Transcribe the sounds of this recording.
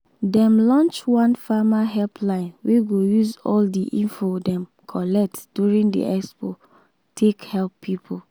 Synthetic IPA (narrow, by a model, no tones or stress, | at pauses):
dɛ̃mlɔ̃nt͡ʃwãnfamaɦɛlpʰlãɪ̃nweɡojuzɔldiʔĩnfodɛ̃m | kʰɔlɛk̚td̥juɹĩŋdḭʔɛkspo | tʰekhɛlpʰːipʰo